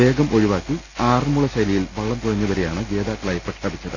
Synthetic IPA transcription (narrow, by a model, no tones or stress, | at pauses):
e̞ːɡɐmʔo̞ɻuʋaːkːi | aːrmuɭɐɕɐjlijilʋɐɭːɐmt̪uɻɐɲːɐʋɐɾejaːɳɨɡe̞ːðaːkːɐɭaːjpːeʈkaːbit͡ɕːɐðɨ̰